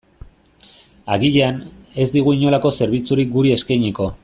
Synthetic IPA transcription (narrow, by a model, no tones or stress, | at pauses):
aɣiʎeane̞zd̪iɣ̞uiɲo̞lako̞se̞ɾβit͡suɾik̚ɡuɾie̞skajɲiko̞